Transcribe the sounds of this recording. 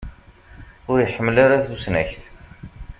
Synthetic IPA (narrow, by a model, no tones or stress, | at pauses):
ʊɾjəħəmːlaɾaθusnæçθ